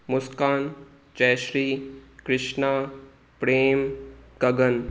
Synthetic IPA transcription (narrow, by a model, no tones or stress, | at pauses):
mʊskaːn | t͡ʃɛːʃɾiːkɾɪʃna | pɾeːmkɐɡən